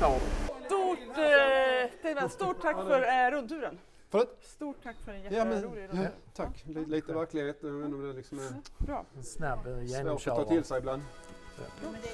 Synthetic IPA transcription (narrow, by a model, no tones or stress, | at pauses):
st̪uːʈ | t̪ʰemɛst̪uːʈʰːakːffœɾɾɵnt̪ʉːɾən | fœɾøːt̪st̪uːʈʰːakːfœɖɛjjɑːmɛnɪɾt̪ʰakːlliːt̪əvæɾklɪɡheːt̪ɛvɛnːɔmd̪ɛlɪksɔmæɾbɾɑ̰ːsnɛboːst̪ʰɑːt̪ʰɪlsɛɪbland̪